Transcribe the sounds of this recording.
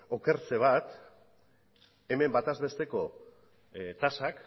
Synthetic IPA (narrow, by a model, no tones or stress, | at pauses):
o̞ke̞ɾt͡se̞β̞at̪ | e̞me̞mbat̪azβe̞st̪e̞ko̞ | t̪asak